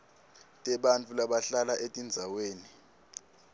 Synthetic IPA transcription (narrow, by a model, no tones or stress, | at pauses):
tʼɛɓant͡fʰʼulaɓaɬalaʔetʼind͡zʱaweːni